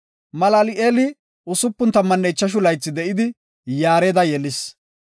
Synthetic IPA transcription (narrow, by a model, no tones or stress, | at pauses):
mɐlalɪʔeːlɪ | ʔʊsʊpːʊnt̪ɐmːɐnːɛjt͡ʃːɐʃ̬ʊlɐjt͡sːɪd̪ɛʔɪd̪ɪ | jaːɾeːd̪ɐjɛlɪs